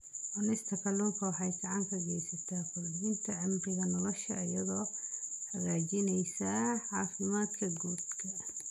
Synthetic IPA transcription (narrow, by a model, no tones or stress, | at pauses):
ʔɔnɪst̪ʰɐkʰɐluːŋkʰɐwɑħɑjɡɑʕɑŋkʰɐɡɛjsɐt̪ʰaːkʰʊlbɪnt̪ʰɐʕɪmbɪɣɐnɔlɔʃɐ̰ijɐðɔːhɐɣaːt͡ʃɪnɛjsaːʕɑːfɪmaːd̪kʰɐɡuːd̪kʰɐ